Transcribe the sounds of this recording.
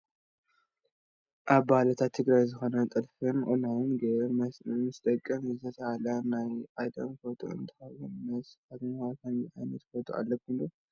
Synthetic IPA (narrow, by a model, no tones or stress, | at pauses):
ʔaβbahlɐt̪ʰat̪ʰːɨɡɾajzɨxo̞nɐt̪ʼɨlfɨnʔonawɨnɡɐ | mɨst̪ʼɐkʼːɐmɨzʰɐt̪ʰɐhalanajʔad̪ɐ̰mfot̪ʰo̰ɨ̰nt̪ʰɨ̥xɐwonmɐsad̪makʰɐniʔajnɐt̪fot̪ʰoa̰lːɐkʰulo